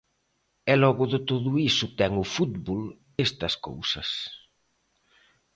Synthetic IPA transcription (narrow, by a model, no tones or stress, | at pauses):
ɛlɔɣʊðɪt̪oðʊisʊt̪ɛŋʊfut̪bol | est̪ɐsko̰wsɐs